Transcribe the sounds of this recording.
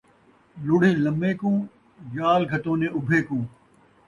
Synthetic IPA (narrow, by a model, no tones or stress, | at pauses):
lʊɽ̤ĩːlɐmeːkũː | jaːlɡʱɐt̪õːnẽːʊbʱeːkũː